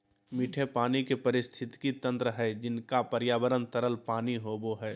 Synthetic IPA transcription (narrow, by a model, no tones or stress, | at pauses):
miːʈʰepaːnikepɐɾɪst̪ʰɪt̪kit̪ə̃nt̪ɾəɦɛd͡ʒɪnkapəɾjaːbəɾənt̪əɾəlpaːniɦoːboɦɛː